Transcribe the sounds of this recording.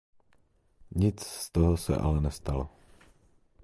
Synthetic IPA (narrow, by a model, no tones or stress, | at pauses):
ɲit͡sst̪ɔɦɔsa̰ʔa̰lɛnɛst̪alɔ